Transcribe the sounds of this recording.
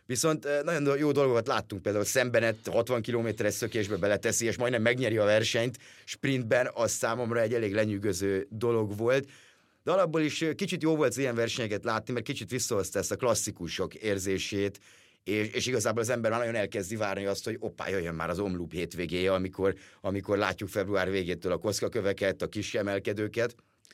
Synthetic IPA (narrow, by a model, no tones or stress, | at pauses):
ʋiso̞nt̪nɒɟo̞njoːd̪o̞lɡokɒt̪laːt̪ːuŋk̚peːld̪aulsɛmbɛnɛt̪hɒt̪ʋɒŋkiloːmeːt̪ɛɾɛʃsø̞keːʒbɛbɛlɛt̪ɛsieːʃmɒjd̪nɛmːɛɡɲɛɾiɒvɛrʃɛɲt̪ʃprind̪bɛnɒssaːmo̞mrɒɛɟːɛleːɡlɛɲyɡøzøːd̪o̞lo̞ɡʋo̞lt̪ | d̪̥ɛɒlɒbːoliʃkit͡ʃit̪joːvo̞lt̪ijɛɱvɛrʃɛɲɛkɛt̪laːt̪nimɛrt̪̚kit͡ʃit̪ʋisːɒɦost̪ɔɛst̪ɒklɒsːikuʃo̞keːrzeːʃeːt̪ | eːʃeːʃiɡɒzaːboːlɒzɛmbɛrmaːnɒɟo̞nɛlkɛzd̪ivaːrniɒst̪ho̞ɟo̞pːa̰ːjøjːømːa̰ːɾɒzo̞mlupheːt̪ʋeːɡeːjɛɒmiko̞rɒmiko̞rla̰ːcːukfɛbruaːrveːɡeːt̪øːlɒko̞t̪skɒkøvɛkɛt̪ɒkiʃɛmɛlkɛd̪øːkɛt̪